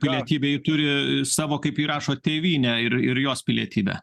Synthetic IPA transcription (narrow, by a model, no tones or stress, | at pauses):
pʲɪlʲiɛt̪ʲiːbʲeːjɪt̪ʊɾʲɪsɑːʋoːkɐɪpiːɾɑːʃoːt̪ʲeːʋʲiːnʲɛɪrɪɾjoːspʲɪlʲiɛt̪ʲiːbʲɛ̰ː